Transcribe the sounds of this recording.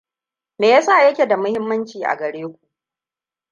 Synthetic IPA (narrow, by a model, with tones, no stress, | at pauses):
meː˨ja˦sa˦˨jɐ˦kʲe˨da˨mʊ˦hɪ˦mːɐ˦nt͡ʃiː˨ʔa̰˨ɡɐ˨ɽeː˦kʷu˨ʔ